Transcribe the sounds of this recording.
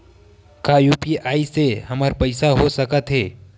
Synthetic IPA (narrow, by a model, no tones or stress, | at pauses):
kajuːpiaːiseɦɐmaɾpɐɪsaɦosəkət̪ɦɛː